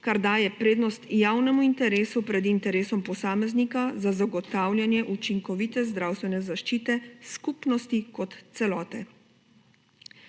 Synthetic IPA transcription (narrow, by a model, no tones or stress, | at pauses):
kaɾd̪aːjɛpɾeːd̪nɔst̪jaːwnɛmuint̪ɛɾeːsupɾɛd̪int̪ɛɾeːsɔmpɔsaːmɛznikazazaɡɔt̪aːwlʲjanjɛʔut͡ʃiŋkɔʋiːt̪ɛzd̪ɾaːwst̪ʋɛnɛzaʃt͡ʃiːt̪ɛskuːpnɔst̪ikɔt̪sɛlɔːt̪ɛ